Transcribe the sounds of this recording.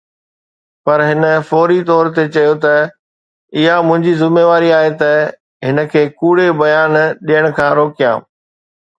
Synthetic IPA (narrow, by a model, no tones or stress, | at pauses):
pɐɾɦɪnə̆fɔːɾit̪ɔːɾt̪et͡ɕɐjot̪ɐ | ɪɦamʊ̃ɦɪ̃ɲd͡ʑizɪmeːʋaːɾiaːɦet̪ɐ | ɦɪnə̆kʰeːkuːɽebɐjaːnɗijəɽ̃kʰãːɾoːkijã̰ː